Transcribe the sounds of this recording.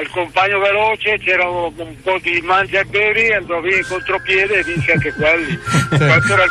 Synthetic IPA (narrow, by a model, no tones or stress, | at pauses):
ilkompaɲːovelɔːt͡ʃet͡ʃɛːɾaoumpɔd̪imand͡ʒaebɛːɾiand̪ɔviːnekont̪ɾopjɛːd̪eːvːinseaŋkekwelːiapːuɾa